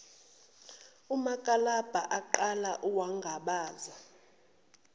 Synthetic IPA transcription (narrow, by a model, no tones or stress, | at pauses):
umakʼalab̥ʱaʔaǃalaʔuwaŋɡʱaɓaːza